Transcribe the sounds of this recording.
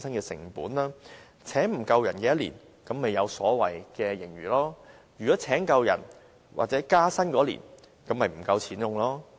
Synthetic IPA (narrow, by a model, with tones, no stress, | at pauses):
sɐ˥nkɛː˧sɪ̰˨˩ŋpṵː˨˥nlaː˥ | t͡sʰɛː˨˥ŋm̩˨˩kɐ˧wjɐ̰˨˩nkɛː˨˧˥jɐ˥t̚lḭː˨˩n | kɐ˨˥mːe˨jɐ˨˧wsɔː˨˥wɐ̰˨jkɛː˧jɪ˨˩ŋɥyː˨˩lɔː˥ | jɥyː˨kɔː˨˥t͡sʰɛː˨˥ŋkɐ˧wjɐ̰˨˩n | wʔa̰ː˨t̚t͡sɛː˨˥kaː˥sɐ˥nkɔː˨˥lḭː˨˩n | kɐ˨˧˥mːɐ˨jm̩˨˩kɐ˧wt͡sʰiː˨˥njʊ˨˧ŋlɔː˥